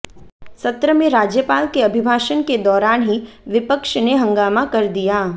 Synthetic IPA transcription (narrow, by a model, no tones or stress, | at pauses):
sɐt̪ɾəmẽɾaːd͡ʒjəpaːlkeɐbʱɪbʱaːʃənked̪ɔːɾaːnɦiʋɪpəkʃneɦɐ̃ŋɡaːmakɐɾd̪ijaː